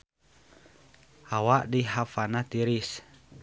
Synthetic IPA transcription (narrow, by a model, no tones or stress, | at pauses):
awaʔdiɦafanat̪iɾis